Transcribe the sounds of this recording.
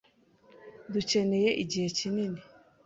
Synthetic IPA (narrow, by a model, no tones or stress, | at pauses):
duce̞ne̞je̞ʔiɟihe̞cinini